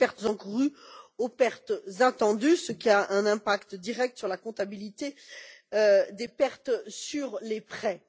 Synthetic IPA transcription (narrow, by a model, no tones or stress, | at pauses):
pɛʁt̪zɑ̃kuʁyopɛʁt̪zat̪ɑ̃d̪ysəkʲiaʔɛ̃nɛ̃pakt̪d̪iʁɛk̚t̪syʁlakɔ̃t̪abilit̪eød̪epɛʁt̪syʁlepχɛ